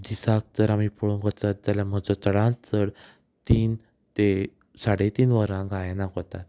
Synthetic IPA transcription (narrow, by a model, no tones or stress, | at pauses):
d̪isãk̚t̪əɾamipuɭuŋkot͡sat̪̚d͡zalam̤əd͡zɔt͡səɽãnt͡səɽ | t̪iːn | t̪e | saɽet̪iːnʋəɾãŋɡʱajɛnakot̪at̪